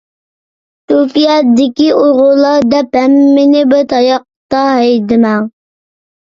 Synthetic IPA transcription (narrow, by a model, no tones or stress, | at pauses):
t̪upijɛd̪ɪkʲioʁʊlˠːɑd̪ɛphɛmːɪnɪbɪɾt̪ʰɑjɑq̚t̪ɑɦɛjd̪ɪmɛŋ